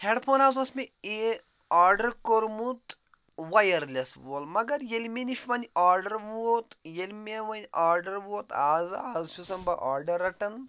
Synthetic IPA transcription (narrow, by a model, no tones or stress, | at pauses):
heɖpʰoːnaːzɐsmee | aːɾɖɐɾkoɾmut̪ | ʋɐjɐɾlʲesʋɐlmɐɡɐɾjelmʲeniʃʋɐnʲaːɾɖɐɾʋuot̪jelʲmʲeʋɐnʲʔaːɾɖɐɾʋuot̪aːzaːzʃʰusɐmbɐʔaːɾɖɐɾɐʈɐn